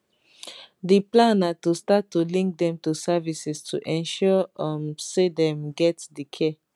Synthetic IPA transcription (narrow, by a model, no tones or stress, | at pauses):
diplãnatustatːulĩŋk̚dɛ̃mtusavisistʰṵʔɛ̃nʃɔmsedɛ̃mɡɛtdikʰɛ